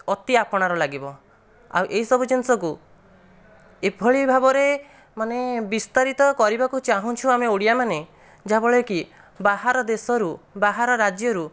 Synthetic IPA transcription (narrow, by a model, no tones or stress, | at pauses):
ɔt̪iapɔɽ̃aɾɔlaɡibɔ | a̰wʔeɦisɔbud͡ʒinsɔku | epʰɔɭibʱabɔɾe | manebist̪aɾit̪ɔkɔɾibakut͡ʃaɦũt͡ʃʰuameoɽijamane | d͡ʒaɦbɔɭeki | baɦaɾɔd̪esɔɾubaɦaɾɔɾad͡ʒjɔɾu